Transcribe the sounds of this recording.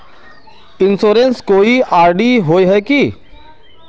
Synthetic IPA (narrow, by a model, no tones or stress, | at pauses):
ɪ̃nsoːɾẽnskoːiaːɾɖiɦoːeɦɛki